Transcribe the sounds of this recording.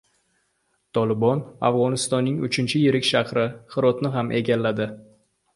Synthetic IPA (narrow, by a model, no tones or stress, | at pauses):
t̪ʰɒlɪbɒnavʁɒnɪst̪ɒnːɪŋʊt͡ʃʰɪnt͡ʃʰɪjɪɾɪkʲʃahɾɪχɨɾɒt̪nɪɦamʔe̞ɡʲalːad̪ɪ